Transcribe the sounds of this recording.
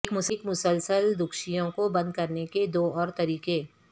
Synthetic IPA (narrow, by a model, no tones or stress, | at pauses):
kmʊsɪkmʊsəlsəld̪ʊkʃijõkobɐ̃nd̪̚kɐɾneked̪oːɔːɾt̪ɐɾiːkeː